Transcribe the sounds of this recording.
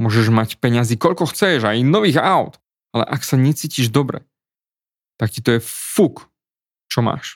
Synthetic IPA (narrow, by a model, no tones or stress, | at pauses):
mʊɔʒɛʒmacpɛɲaziːkɔʎkɔxt͡sɛʒajnɔʋiːɣaʊt̪ | alɛ̰ʔaksaɲɛt͡siːciʒd̪ɔbɾɛ̰ | t̪akcit̪ɔjɛfuk | t͡ʃɔma̰ːʃ